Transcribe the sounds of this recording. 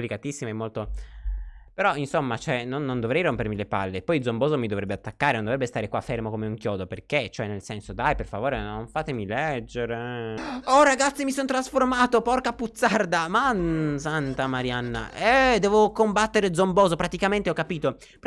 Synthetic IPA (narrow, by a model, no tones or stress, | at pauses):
plikat̪isːimaɛmːolt̪o | peɾɔinsomːat͡ʃɛnonːond̪ovɾɛjrompermilepa̰lːepɔjd̪zombɔːzomid̪ovɾɛbːeat̪ːakːaːɾenõnd̪ovɾɛbːest̪aːɾekwafːermokomeuŋkjɔːd̪operket͡ʃoɛnelsɛnsod̪ajperfavoːɾenoɱfaːt̪emilɛd͡ʒːeɾe | ɔraɡat̪sːimisont̪ɾasformaːt̪opɔrkaput̪sːard̪amansant̪amaɾjanːa̰ɛd̪ɛːvokombat̪ːeɾed̪zomboːzopɾat̪ikament̪eɔkːapiːt̪o | p